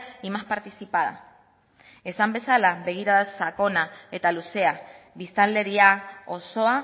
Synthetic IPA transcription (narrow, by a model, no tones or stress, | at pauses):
imaspaɾt̪isipaða̰ | e̞sambe̞salaβe̞ɣ̞iɾaðsako̞nae̞t̪aluseaβist̪alːe̞ɾiaoso̞a